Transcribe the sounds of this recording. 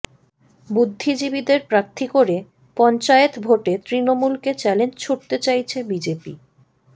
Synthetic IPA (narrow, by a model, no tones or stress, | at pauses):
bud̪ʱːid͡ʑibid̪eɾpɾaɾt̪ʰːikoɾe | pɔnt͡ɕaet̪bʱoʈet̪ɾinomulket͡ɕɛlend͡ʑt͡ɕʰoʈt̪et͡ɕajt͡ɕʰebid͡ʑepḭ